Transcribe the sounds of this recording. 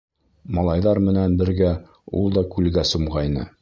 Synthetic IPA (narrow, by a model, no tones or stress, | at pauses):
mɑlˠɑjðɑɾmɘ̆nænbɘ̆ɾɡæ | ṵlˠd̪ɒkʉlɡæsumʁɑjnɤ̰